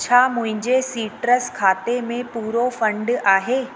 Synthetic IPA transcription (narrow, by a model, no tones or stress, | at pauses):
t͡ɕʰaːmʊ̃ɦɪ̃ɲd͡ʑesiːʈɾəskʰaːt̪emẽpuːɾofɐ̃ɳɖaːɦeː